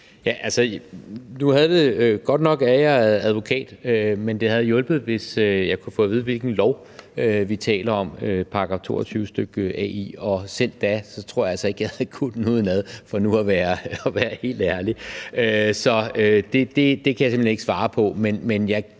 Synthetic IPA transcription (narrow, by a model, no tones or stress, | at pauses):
jæʔælsə | nuhæð̞̩ˠd̥e̝ɡ̥ɒ̽d̥nɒ̽ɡ̥æjɑðˠæð̞ˠʋo̝kʰɛ̰ːd̥ømend̥e̝hæð̞̩ˠjɔ̽lb̥ð̩ˠʋe̝søjɑ̈ɪkʰufɔ̰ːʋið̞̩ˠʋe̝lɡ̥n̩lɒʊ | øʋit͡sʰɛ̰ːlɐɒ̽møpʰɑ̈ɑɡ̥ɑ̈ft͡sʰo̝̰ːɐt͡sʰyːʊəsd̥øɡ̥əʔɛ̰iɒ̽sen̰d̥ːæsɒ̽t͡sʰʁo̰ɐ̰jɑælsɒe̝ɡ̥jɑhækʰud̥nuð̰ˠnæð̞ˠfɒ̽nuæʋæːɐɒʋæːɐhe̝̰ːld̥æɐliøsɒ̽ød̥e̝d̥e̝d̥e̝kʰæjäse̝mlene̝ɡ̥sʋɑ̈ːpʰɒ̽menmenjɑ̈ɪ